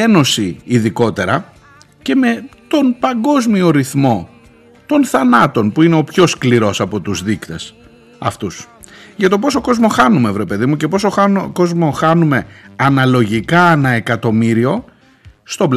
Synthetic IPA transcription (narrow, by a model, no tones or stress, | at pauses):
eno̞siːðiko̞t̪e̞ɾɐ | ce̞me̞t̪o̞npɐŋɡo̞zmio̞ɾiθmo̞ | t̪o̞nθɐnɐt̪o̞npuine̞o̞pço̞skliɾo̞sɐpo̞t̪uzðikt̪e̞s | ɐ̰ft̪us | ʝɐt̪op̬o̞so̞ko̞zmo̞xɐnumevɾe̞pe̞ðimucepo̞soxko̞zmo̞xɐnume̞ɐnɐlo̞ʝikɐenɐe̞kɐt̪o̞miɾio̞ | st̪o̞b